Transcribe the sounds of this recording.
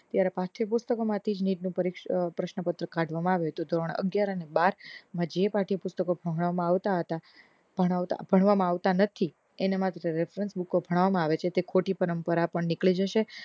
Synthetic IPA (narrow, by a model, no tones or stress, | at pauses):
t̪jaɾepaʈʰipʊst̪əkomãt̪ʰid͡ʒniɖnũpəɾikpɾəʃnəpət̪ɾəkãɖʱʋamãaʋet̪od̪ʱɾɔɳ̃ə̰ɡjaɾənebaɾmãd͡ʒepaʈʰipʊst̪əkobʱəɦɽ̃mãaʋt̪aɦət̪a | bʱəaa̰bʱəɳ̃ʋamãaʋt̪anət̪ʰi | enemat̪ɾəɾefɾənsbukobʱəɽ̃aʋamãaʋet͡ʃʰet̪ekʰoʈipəɾəmpəɾapəɳnɪkɭid͡ʒəʃe